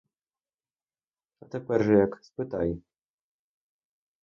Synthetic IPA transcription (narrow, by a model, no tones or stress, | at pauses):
at̪ɛpʲɛɾʐɛjakspɨt̪aj